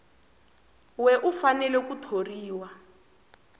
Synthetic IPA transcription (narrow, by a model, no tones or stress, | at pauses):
wɛʔufanɛlɛkutʰoriːwa